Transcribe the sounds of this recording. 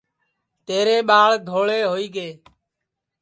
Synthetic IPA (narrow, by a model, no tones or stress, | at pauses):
t̪eːɾeːɓaːɭd̪ʱoːɭeːɦoːiːɡeː